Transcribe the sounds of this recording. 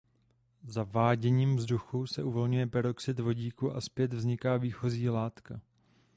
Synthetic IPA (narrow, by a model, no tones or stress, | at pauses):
zavaːɟɛɲiːmvzduxusɛʔuvo̞lɲujɛpɛɾo̞ksɪt̪vo̞ɟiːkuʔaspjɛt̪vzɲɪkaːviːxo̞ziːlaːt̪ka